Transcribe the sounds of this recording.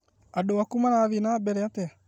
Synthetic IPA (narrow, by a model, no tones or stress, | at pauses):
adowakumanaβinabɛɾɛatea